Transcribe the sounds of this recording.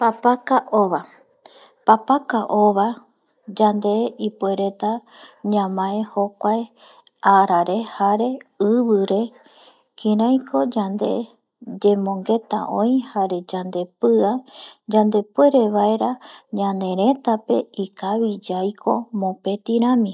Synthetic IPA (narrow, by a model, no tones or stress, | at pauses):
papakaʔoʋa | papakaʔo̞βa | d͡ʒand̪e̞ipwe̞ɾe̞t̪a | ɲãmãehokʷae | aɾaɾe̞haɾe̞ɨβɨɾe̞ | kĩɾajkʰo̞d͡ʒand̪e̞̰ | d͡ʒe̞mõ̞ŋɡe̞t̪a̰ʔõ̞j̃haɾe̞d͡ʒand̪e̞pɨad͡ʒãnd̪e̞pwe̞ɾe̞ʋaeɾaɲãnẽ̞ɾe̞t̪ape̞ikaβid͡ʒajkʰo̞mõ̞pe̞t̪iɾ̃ãmĩ